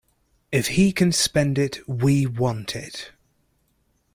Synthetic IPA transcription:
ɪfhikʰə̃nspɛ̃ndɪtwiwɒ̃ntʰɪ̰t

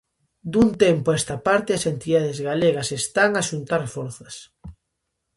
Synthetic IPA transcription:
d̪unt̪empoɛst̪ɐpaɾt̪ɪɐsent̪iðaðezɣaleɣɐsest̪aŋaʃunt̪aɾfoɾθɐs

